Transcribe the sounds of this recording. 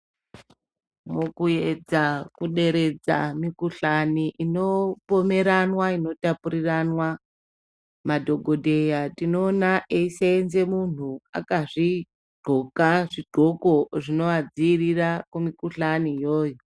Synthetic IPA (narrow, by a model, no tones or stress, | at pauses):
mokujed͡zakuɗe̞ɾe̞d͡za̰mikuɬaniʔino̞po̞me̞ɾanwaino̞tapuɾiranwa | madʱo̞ɡʱo̞dʱe̞jatino̞ːnaʔeisenze̞mun̤ua̰kaʐi | ɡ͡ǃ̥ʱokaʐiɡ͡ǃ̥ʱo̞ko̞ʐino̞ad͡ziːrirakumikuɬanijoːjo